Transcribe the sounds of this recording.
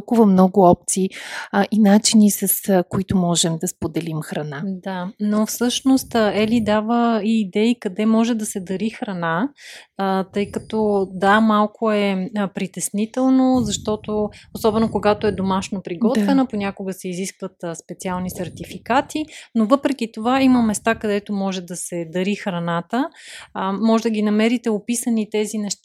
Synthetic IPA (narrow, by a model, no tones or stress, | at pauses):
kuvəmnɔɡʊɔp̚t̪siːʔinat͡ʃinisɐskoit̪omɔʒɛmd̪ɐspod̪ɛlimxɾɐnad̪anofsɤʃnost̪ɛlid̪avəiːd̪ɛikɐd̪ɛmɔʒɛd̪ɐsɛd̪ɐɾixɾɐna | t̪ɤjkɐt̪ɔd̪amalˠkʰoɛpɾit̪ɛsnit̪ɛlˠnozɐʃt̪ɔt̪oosɔbɛnokoɡat̪oɛd̪omaʃnopɾiɡɔt̪vvɛnəponʲakoɡəsɛiziskvət̪ːspɛt̪sialˠnisɛɾt̪ifikat̪inovɤpɾɛk̟it̪ovaiməmɛst̪akɐd̪ɛt̪omɔʒɛd̪ɐsɛd̪ɐɾixɾɐnat̪ə | mɔʒɛd̪əɡʲinɐmɛɾit̪ɛopisənit̪ɛzinɛʃt̪a